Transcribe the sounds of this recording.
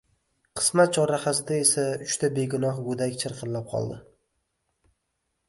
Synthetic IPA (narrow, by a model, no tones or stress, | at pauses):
qʰɨ̥smat̪̚t͡ʃʰɒɾaχazd̪aesaʊʃt̪ʰabe̞ɡʊnɒhɡod̪akʲt͡ʃʰɪɾqʰɨnlap̚qʰɒ̰lˠd̪ɪ